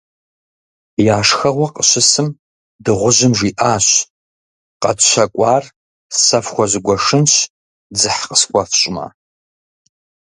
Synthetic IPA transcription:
jaːʂxɐʁʷɔqəɕɪsɨm | dɨʁʷʊʑɪmʒiːʔaːɕ | qɐtɕɐkʷʼɑːr | sɐfxʷɔʑɪɡʷɔʂɨnɕ | d͡zɨħqəskʷɔfɕʼma̰ː

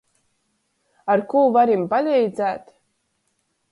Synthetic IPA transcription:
aɾkuːvaɾimpalʲɛjd̪zæːt̪

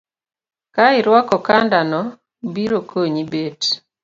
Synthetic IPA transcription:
kaɪɾwɔkɔkandanɔ | biɾokʰoɲibet

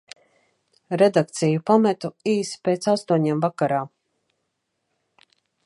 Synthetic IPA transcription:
ɾed̪akt̪sijupamɛt̪uiːspeːt̪sast̪uɔɲemvakaɾaː

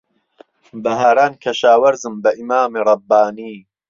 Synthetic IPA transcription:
bɐɦaːɾaːnkʰɐʃaːwɐɾzɨmbɐʔimaːmiɾˤɑbːaːniː

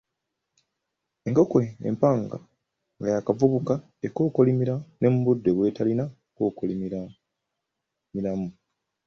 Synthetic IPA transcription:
e̞ŋko̞koḛmpaːŋɡa̰ | ŋɡajakavuβuka | eko̞ːkolimiɾane̞muβudːe̞ɡwe̞ːtalina | koːkolimi | milamu

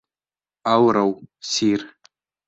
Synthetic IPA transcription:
awɾawsiːr

